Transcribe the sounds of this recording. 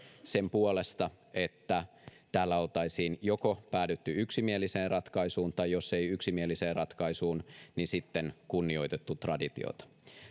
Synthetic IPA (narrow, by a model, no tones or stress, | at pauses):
sempuolest̪ɑ | et̪ːæ | t̪æːlːæolt̪ɑisiːnjokopæːdyt̪ːyyksimieliseːrɑt̪kɑisuːnt̪ɑjjoseiyksimieliseːrɑt̪kɑisuːnnisit̪ːenkunːio̞it̪et̪ːut̪rɑdit̪ḭo̰t̪ɑ̥